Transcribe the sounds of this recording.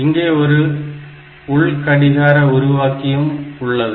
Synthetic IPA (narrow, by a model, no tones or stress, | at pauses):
ɪŋɡeːɔɾɯ | ʊɭkɐɽɪɣaːɾɐʊɾʊʋaːkːɪjɯmʊɭːɐðɯ